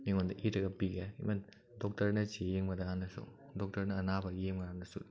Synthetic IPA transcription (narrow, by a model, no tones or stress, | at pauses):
miŋond̪ɐʔiɾɐɡɐpiɡeḭmɐ | dɔk̚tɐɾnɐt͡ʃejeŋmɐdaanːɐso̰ | dɔk̚tɐɾnɐːnabɐeŋmɐdanɐsṵ